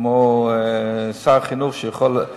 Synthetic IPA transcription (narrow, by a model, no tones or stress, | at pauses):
moː | saʁχinuχʃəjəχɔl